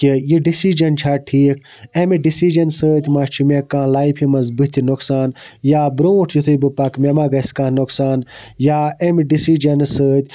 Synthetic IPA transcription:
kijiɖisid͡ʒɐnt͡ʃʰaːʈʰiːkʰ | emiɖisid͡ʒɐnsəːt̪ʲmaːt͡ʃʰumekãːlaːifʰimɐzbɨt̪ʰʲinuksaːnjaːbɾõuʈʰjut̪ʰubɨpɐkmemaːɡɐskaːnuksaːnjaːemiɖisid͡ʒɐnsəːt̪ʲ

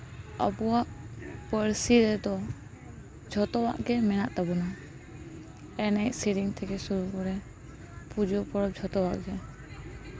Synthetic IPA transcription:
ə̰buwaʔpəɾsiɾɛd̪ɔ | d͡ʒʱɔt̪ɔwa̰ʔɡɛmɛnaʔt̪abɔna | ɛnɛcsiɾiŋt̪ʰɛɡɛsuɾukɔɾɛ | pud͡ʒɔpɔɾɔd͡ʒʱɔt̪ɔwa̰ʔɡɛ

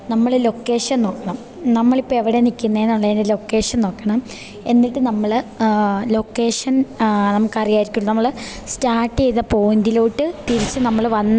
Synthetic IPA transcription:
nɐmːɐɭlo̞kːe̞ːʂɐnno̞ːkːɐɳɐm | nɐmːɐɭipːoːeʋiɽenikʲːunːɐenːuɭːɐðindelo̞kːe̞ːʂɐnno̞ːkːɐɳɐm | e̞̰nːiʈːɨnɐmːɐɭ | lo̞kːe̞ːʂɐnnɐmukːɐrijaːjiɾikʲːuɭːɐnɐmːɐɭ | staːʈːiejðɐpoːnd̪iloːʈːɨt̪iɾit͡ɕːɨnɐmːɐɭʋɐnː

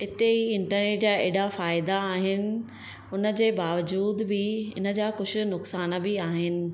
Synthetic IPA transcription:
ɪt̪eɦiɪ̃ɳʈəɾneːʈd͡ʑaːeːɽafaːɪd̪aːɦɪnɪ̆ | ʊnə̆d͡ʑeːbaːʋəd͡ʑuːd̪bɪɪ̰nə̆d͡ʑaːkʊd͡ʑʱʊ̆nʊksaːnəbɪaːɦɪnɪ̆

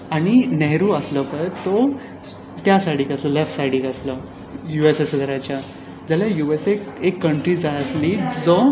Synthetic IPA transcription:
aɽ̃inɛɦɾuːəsləpət̪ɔ | t̪jasaɽiːkasləlefʈsaɽiːkəslə | juesesəd̪ɾat͡ɕja | d͡zəljajuesekekːəɳʈɾid͡zajəsliːd͡zɔ

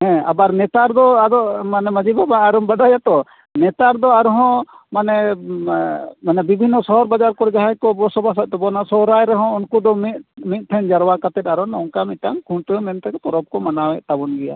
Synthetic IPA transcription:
ɦɛ̃a̰baɾnɛt̪aɾd̪ɔad̪ɔʔmanɛməd͡ʒibabaːɾɔmbadajat̪ɔ | nɛt̪aɾd̪ɔaɾɔɦɔ̃ | manɛ | manɛbibʱinːɔsɔɦɔɾbad͡ʒaɾkɔɾɛd͡ʒaɦaɲkɔbɔsɔbas̬at̪̚t̪ɔbɔnasɔɾajɾɛɦɔ̃unkud̪ɔmit̪̚mit̪̚ˀt̪ʰɛɲd͡ʒaɾwakat̪ɛt̪̚aɾɔnɔŋkamitaŋkʰuɳʈɔmɛnt̪ɛkɛp̪ɔɾɔb̚kɔmanawɛʔt̪abɔnɡɛja̰

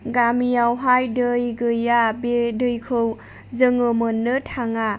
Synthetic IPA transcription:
ɡamijawɦajdɯjɡɯjabedɯjkʰɯw | zɯŋɯmɯnːɯtʰaŋa

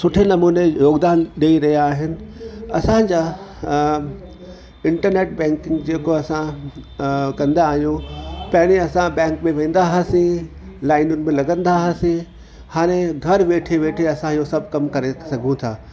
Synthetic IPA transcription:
sʊʈʰenɐmuːnejoːɡd̪aːnɗɐiɾɐɦijaːɦɪnɪ̆ɐsãd͡ʑaː | ɪ̃ɳʈəɾneːʈ̚bɛ̃ːŋkɪ̃ŋɡd͡ʑeːkoɐsã | kɐ̃nd̪aːɦijũpɐɦɪɽ̃iɐsãbɛ̃ːŋkmẽʋẽːn̆d̪aɦɐsĩ | laːɪnʊnɪ̆mẽlɐɡə̃nd̪aɦɐsĩ | haːɽ̃eɡʱɐɾʋeːʈʰeʋeːʈʰeɐsãijosɐbʱkɐmkɐɾesɐɡʱũt̪ʰaː

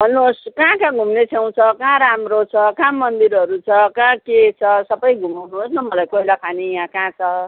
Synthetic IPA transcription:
bʱʌnːuoskãkãɡʱumnet͡sʰaw̃t͡sʰʌkãɾamrot͡sʰʌkãmʌnd̪iɾʌɾut͡sʰʌkãket͡sʰʌsʌbʌjɡʱumawnuɦosnʌmʌlajkoilakʰanijãkãt͡sʰʌ

